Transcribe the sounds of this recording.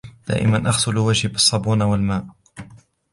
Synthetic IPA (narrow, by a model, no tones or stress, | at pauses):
d̪̥a̰ːʔɪ̰manʔɑxsˤʊlwad͡ʒhbɨsˤːɑbuːnwalmaːʔ